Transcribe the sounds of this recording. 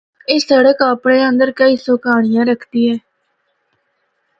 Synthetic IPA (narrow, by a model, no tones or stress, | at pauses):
eːsəɽəkaːpɽeːə̃nd̪əɾkəiːsoːkaːɳ̃ɪjãːɾəkʰt̪iːɛː